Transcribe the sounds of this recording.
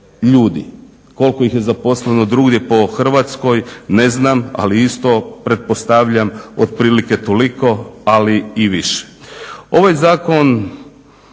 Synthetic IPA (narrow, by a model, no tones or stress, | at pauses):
ʎuːd̪i | ko̞lkojixje̞zapo̞sleno̞d̪ɾuːɡd̪jepo̞xr̩ʋat̪sko̞jne̞znama̰liist̪o̞pɾe̞t̪̚po̞st̪aʋʎamod̪̚pɾiːlike̞t̪oliko̞aliiʋiʃe̥o̞ʋajzaːko̞n